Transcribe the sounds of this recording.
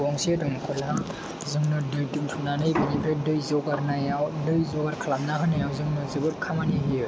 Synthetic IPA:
ɔŋsedɔŋkʰɔla | zɯŋnɯdɯjdɯmtʰunanɯjbɯnipʰɾadɯjzɔɡaɾnajawdɯjzɔɡaɾkʰalamnaɦɯnɯjawzɯŋnɯzɯbɯɾkʰamaniɦijɯ

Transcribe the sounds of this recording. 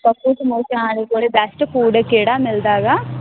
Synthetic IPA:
pəkːuːsəmoːt͡ʃãaːleːkoːleːbɛsʈkuːɖəkeːɽaːmɪld̪aːɡaː

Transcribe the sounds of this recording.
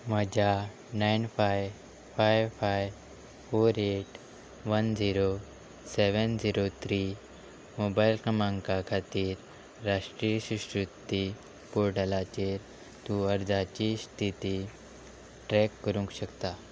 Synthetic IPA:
m̤əd͡ʑʱa | nainfaj | fajʋfajʋ | foɾeʈ | ʋənd͡ziɾo | seʋənd͡ʑiɾot̪ʰɾi | mobajlkəmãŋkakʰat̪iːɾː | aʂʈɾijəɕuɕɾut̪ːi | poɾɖəlat͡ɕeɾ | t̪ũəɾd͡zat͡ɕiːst̪ʰit̪i | ʈɾɛkːəɾũŋkɕəkt̪a

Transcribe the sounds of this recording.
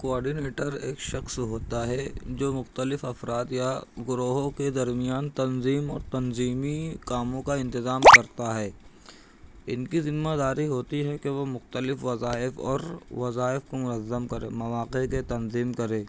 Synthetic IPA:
koɔːɾɖineːʈəɾeːkʃɐxsɦoːt̪aɦɛd͡ʒoːmʊxt̪əlɪfɐfɾaːt̪jaɡʊɾoːɦõked̪ɐɾmijaːnt̪ɐnziːmɔ̰ːɾt̪ɐnziːmikaːmõkaɪ̃nt̪ɪzaːmkɐɾt̪aɦɛː | ɪnkizɪnmad̪aːɾiɦoːt̪iɦɛkeʋomʊxt̪əlɪfʋɐzaːɪfɔ̰ːɾʋɐzaːɪfkomʊnɐzːəmkɐɾḛːmɐʋaːqeket̪ɐnziːmkɐɾẽː

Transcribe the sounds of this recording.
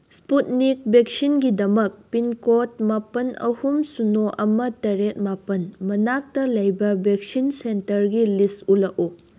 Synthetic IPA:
sput̚nik̚bek̚sinɡidɐmɐk̚pinkot̚mapɐnɐ̰humsunoʔɐmɐtɐɾet̚mapɐnmɐnak̚tɐlɐjbɐbek̚sinsentɐɾɡilistulɐʔu

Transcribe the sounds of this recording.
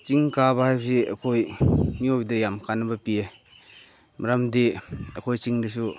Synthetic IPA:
t͡ʃiŋkabɐhajbɐsiɐ̰kʰojmiobdɐjamkanɐbɐpie | mɐɾamdiɐkʰojt͡ʃiŋdisu

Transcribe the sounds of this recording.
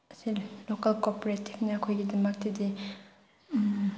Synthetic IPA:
ɐsillokɐlkopoɾetʰip̚nɐːkʰojɡidɐmɐk̚tidi

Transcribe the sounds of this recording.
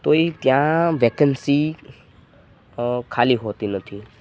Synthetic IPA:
t̪oit̪jãʋekənsi | kʰaliɦot̪inət̪ʰi

